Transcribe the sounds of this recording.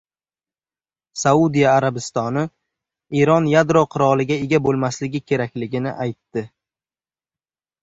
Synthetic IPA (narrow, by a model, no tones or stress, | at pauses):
saud̪ijaːɾabɪst̪ɒnɪ | iɾɒnjad̪ɾoqʰʊɾɒlˠɪɡʲaeɡʲabolˠmaslɪɡʲɪkʲʰe̞ɾakʲlɪɡʲɪnɪ̰ʔajt̪ːɪ